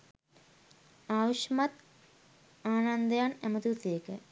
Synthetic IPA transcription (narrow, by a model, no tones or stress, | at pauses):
aːʋʂɐmat̪ | aːnand̪əjanæmət̪usejekə